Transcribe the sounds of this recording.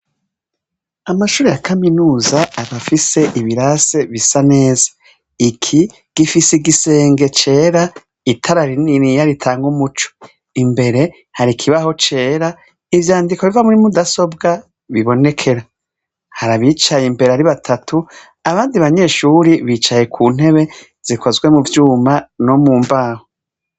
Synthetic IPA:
amaʃuːɾejakʰaminuːzaaβafise̞ʔiβiɾase̞βisane̞ːzḁ | ikʰi | ɡ̥ifiseiɡise̞ːŋɡe̞t͡ʃe̞ːɾa | itʰaɾaɾiniɾijaɾitʰaːŋɡumut͡ʃo̥ | imbe̞ɾe̞ | haɾikʰiβaho̞t͡ʃe̞ːɾa | ivjaːndikoβivamuɾimudaso̞bɡa | βiβo̞ne̞kʰe̞ɾa | haɾaβit͡ʃajimbe̞ɾeaɾiβatʰatʰu | aβaːndiβaɲe̞ʃuːɾiβiːt͡ʃaje̞kʰuːn̥he̞βe̞ | z̥ikʰozɡwe̞muvjuːmanomuːmbaːho

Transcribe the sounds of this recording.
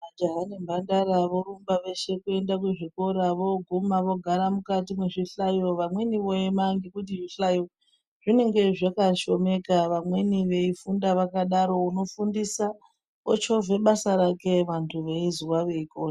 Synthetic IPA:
ad͡ʒoɦanimbandaɾaʋo̞ɾumbaʋe̞ʃe̞kue̞ndak̬uʐiko̞ɾaʋo̞ɡʱumaʋo̞ɡʱaɾamukatimweʐiɬajo̞ʋamwe̞niʋo̞jemaŋɡikut̬iʐiɬajo | ʐ̥ine̞ŋɡe̞ʐakaʃo̞me̞kaʋamwe̞niʋe̞ifundaʋakaɗaɾo̞uno̞fundisa | ot͡ʃo̞vʱe̞ɓasaɾake̞ʋantʰuʋe̞iziwaʋe̞ikona

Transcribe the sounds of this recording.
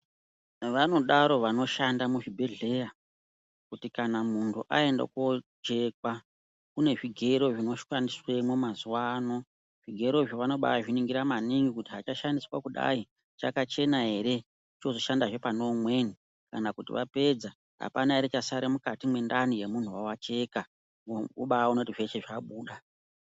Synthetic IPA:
ʋano̞ɗaɾo̞ʋano̞ʃandamuʐibʱe̞ɮe̞ja | kutikanamuntʰuʔae̞nda̰kod͡ʒe̞ka | kune̞ʐiɡʱe̞ɾo̞ʐino̞ʃandiswemomazuwano̞ | ʐ̥iɡʱe̞ɾo̞iʐiʋano̞ɓa̰aʐiniŋɡiɾamaniŋɡikutiɦat͡ʃaʃandiswakuɗa̰i | t͡ʃakat͡ʃe̞naɦe̞ɾe̞ | t͡ʃo̞zo̞ʃandaʐe̞pano̞mwe̞ni | ka̰nakutḭʋa̰pe̞d͡za | ɦa̰panaeɾet͡ʃasaɾemukatimwe̞ndanije̞mun̤uwawat͡ʃe̞ka | uɓaonotiʐeʃeʐaɓuːɗa

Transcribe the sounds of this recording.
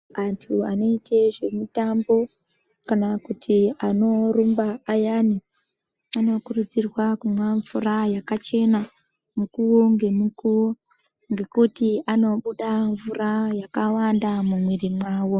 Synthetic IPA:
antʰuano̞itʰe̞ʐe̞mitambo̞ | kanakutʰiano̞ɾumbaːjani | ano̞kurud͡zirwakumwaɱvurajakat͡ʃe̞na | mukuwoŋɡe̞mikuwo | ŋɡe̞kutiano̞ɓuɗaɱvurajakawandamumwerimwaːwo̞

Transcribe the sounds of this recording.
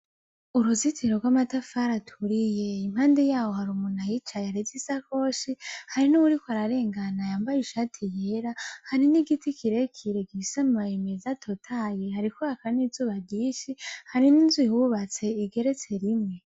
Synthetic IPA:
uɾuzitʰiɾo̞ɡwamatafaɾatʰuɾije̞im̥haːndejaːwo̞haɾumunajit͡ʃajaɾezisako̞ʃihaɾinuwuɾikwaɾaɾe̞ːŋɡanajaːmbajiʃaːtʰijeɾahaɾiniɡitikʰiɾe̞kʰiɾe̞ɡisamumajemezatʰotʰajehaɾikoakanizuːβaɡɟiːʃihaɾininzwiwuβat͡se̞iɡe̞ɾe̞t͡se̞ɾimŋe̞

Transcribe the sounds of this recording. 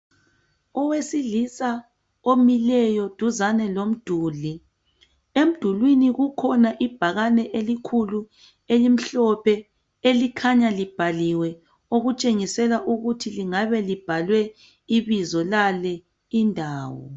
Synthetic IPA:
ɔwesilisa | omilɛjɔd̥ʱuzanɛlom̩d̥ʱuːli | em̩d̥ʱulwiniɣukʰɔnaʔib̥ʱaɣanɛʔelikʰulu | elim̩ɬɔpʰɛ | elikʰaɲalib̥ʱaliwɛ | oɣut͡ʃʼeŋisɛlaʔuɣutʰiliŋaβɛlib̥ʱalwɛ | iβizɔlalɛ | indʱaːwɔ̰

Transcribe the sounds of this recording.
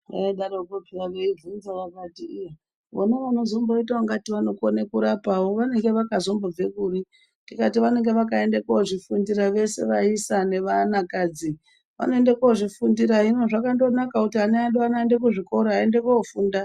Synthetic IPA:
eɗaɾokopiaɡeivunzaʋakati | ʋo̰neʋano̞zo̞mboitaaŋɡatiʋano̞konekuɾapawo̞ʋane̞ŋɡe̞ʋakazo̞mbob͡ve̞kuri | tikatiʋane̞ŋɡe̞ʋakaendekoʐifundiɾaʋe̞se̞̰ʋaisane̞ʋanakaːd͡zi | ʋa̰no̞e̞ndekoʐifundiɾaɦino̞ʐakando̞nakakutiɦaneanɗoanaendek̬uʐiko̞ɾoɦae̞nde̞koufuːnda

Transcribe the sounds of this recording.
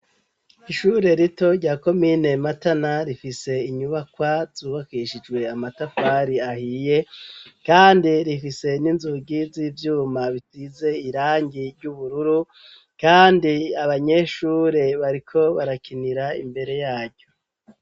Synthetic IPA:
iʃuːɾe̞ɾito̞ɾɟaːko̞mine̞matanaɾifise̞iɲuβakwazuːβakiʃid͡ʒwe̞amatafaɾiahije̞kaːndiɾifise̞ninzuɡiziːvjuːmaβitize̞iɾaːɲɟiɾɟuβuɾuɾu | kaːndiaβaɲe̞ʃuːɾe̞βaɾikʰo̞βaɾakiniɾaḭmbe̞ɾe̞jaːɾɟo̞

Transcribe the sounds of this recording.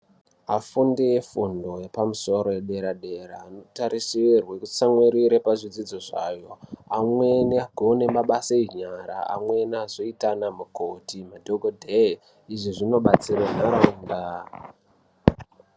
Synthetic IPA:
afundejefundo̞jepamuso̞ɾo̞jeɗe̞ɾaɗe̞ɾaːno̞taɾisirwekut͡saŋwiɾiɾepaʐid͡zid͡zoʐajo̞amwe̞neaɡʱone̞maɓaseiɲaɾa̰a̰mwe̞nazoitanamukotimadʱoɡʱodʱe | iʐiʐino̞ɓat͡sirenaɾaumda

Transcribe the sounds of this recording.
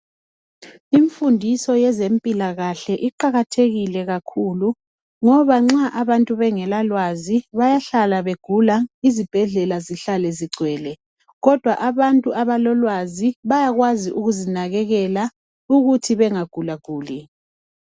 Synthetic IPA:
iɱfundʱisɔjɛzempʼilaɣaɬɛʔiǃaɣatʰeɣilɛɣakʰulu | ŋɔβaŋ͡ǁaʔaβantʼuβɛŋɛlalwaziβajaɬalaβeɡ̥ʱulaizib̥ʱɛɮɛlaziɬalɛziɡ͡ǀʱwɛːlɛ | ɣɔd̥ʱwaʔaβantʼuʔaβalɔlwaziβajaɣwaziʔuɣuzinaɣɛɣɛla | uɣutʰiβɛŋaɡ̥ʱulaɡ̥ʱuːli

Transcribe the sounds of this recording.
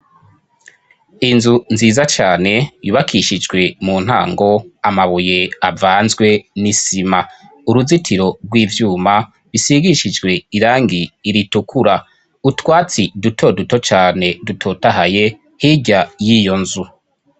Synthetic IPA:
inzunziːzat͡ʃaːne̞juːβakʰiʃid͡ʒɡwe̞muːn̥ha̰ːŋɡo̞amaβuje̞avaːnzɡwe̞nisima | uɾuzitʰiɾo̞ɾɡwiːvjuːma | βisiɡiʃid͡ʒɡwe̞iɾaːŋɡiːɾitukʰuɾa | utwaːt͡sidutʰo̞duto̞t͡ʃaːne̞dutʰo̞taɦaje̞ | hiɟajijo̞nzu

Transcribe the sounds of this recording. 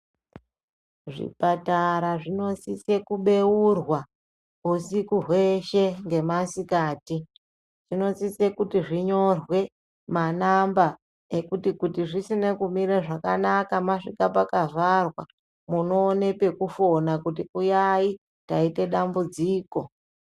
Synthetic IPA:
ʐḭpataɾaʐino̞sise̞kuɓe̞urwa | usikuɦwe̞ʃe̞ŋɡe̞masikaːti | ʐ̥ino̞sise̞kutiʐiɲo̞rwe̞ | manamba | ekutikutiʐisine̞kumiɾeʐakanakamaʂikapakaʐarwa̰ | muno̞ːne̞pe̞kufo̞nakut̬iujai | taite̞ɗambud͡ziːko̞

